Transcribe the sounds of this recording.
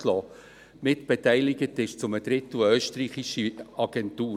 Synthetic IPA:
lɔː | mɪtb̥ɛtɛɪlɪɡətɪʃt͡sʊməd̥̪ɾɪtːuœːʃtriːχiʃəɑɡ̥ɛntuː

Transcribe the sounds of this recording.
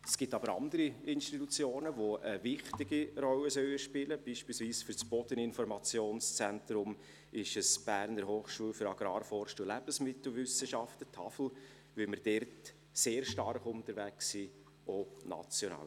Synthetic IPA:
əsɡ̥ɪtɑbəɾɑ̰nd̪əɾiɪnʃtitut͡sjoːnəʋoʔəvɪχtɪɡirɔlːəsœləʃpɪləb̥iːʃpiːlsviːsfʏɾt͡sb̥ɔd̥ənɪnfɔɾmɑt͡sjoːnst͡sɛntɾʊm | ɪʃəsb̥æːɾnəɾɦoːχʃuːlfʏɾɑɡ̥ɾɑːɾfɔːɾʃtuːlæb̥əsmɪtl̩ˠvʏsəʃɑftətʰɑ̰fl̩ | vɪlməɾd̥ɛɾt | seːɾʃtɑrχʊntəɾvæksi | ʔonɑ̰t͡sjɔnɑ̰ːl

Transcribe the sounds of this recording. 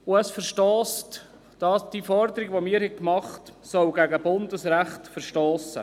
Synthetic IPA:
ʊæsfəɾʃtɔːst | d̥ɑsd̥iːfɔɾd̪əɾiɡʋomɪːəɾhɛkmɑχtsœwɡæɡəbʊndəsɾæχtfəɾʃtɔːsə̰

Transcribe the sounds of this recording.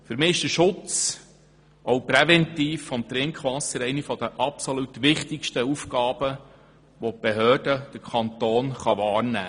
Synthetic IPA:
fʏɾmɪːɪʃd̥əʃʊt͡s | ɔowpɾɛvɛnt̪iːfːɔmt̪ɾɪŋkʰχʋɑsəɾɛɪnifɔd̪əʔɑpsɔlutʋɪχt̪ɪkʃtəufkɑːb̥ə | ʋɔp̚b̥eɦøːd̥əd̥əɾkʰɑnt̪oːnχɑʋɑːɾnæ̰ː

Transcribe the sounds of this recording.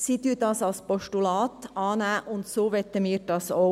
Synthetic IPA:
sɪt̪ʉːt̪ɑsɑspɔʃʈʊlɑːt̪ʔɑːnæʔʊnt̪soːʋɛt̪ːɛmiːɾʈɑso

